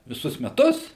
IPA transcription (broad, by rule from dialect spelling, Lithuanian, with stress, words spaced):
ʋʲɪˈsʊs mʲɛˈtʊs